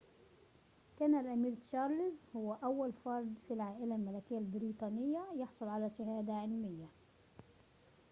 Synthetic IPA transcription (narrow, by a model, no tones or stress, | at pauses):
kæːnalʔæmiːɾʃɑːɾˤlɪzhʊwːæʔawːalfɑɾˤd̪ˤfilʕaːʔɪlalmalækɪjːalbɪɾiːt̪ˤɑːnɪjːajɑħsˤʊlʕalaʃahaːd̪aʕɪlmɪjːa